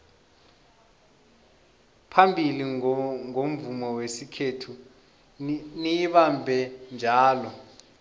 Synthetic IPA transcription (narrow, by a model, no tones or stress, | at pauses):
pʰambʱiliŋom̩vumɔwesikʰetʰu | nijiɓambʱɛnd͡ʒʱaːlɔ